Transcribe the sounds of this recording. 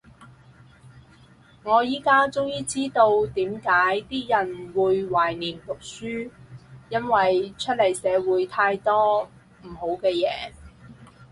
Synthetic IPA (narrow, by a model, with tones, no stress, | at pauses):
ŋɔː˨˧jiː˨˥kaː˥t͡sʊ˥ŋjiː˥t͡siː˥t̪o˧wt̪iː˨˥mkaː˨˥jt̪iː˥jɐ˨˩nwuː˨˧jwaː˨˩jniː˨˩mt̪ʊ˨k̚syː˥jɐ˥nwɐ˨jt͡ʃʰɵ˥t̚lɐ˨˩jsɛː˨˧wuː˨˧jt̪ʰaː˧jt̪ɔː˥ | m̩˨˩ho˨˥wkɛː˧jɛː˨˧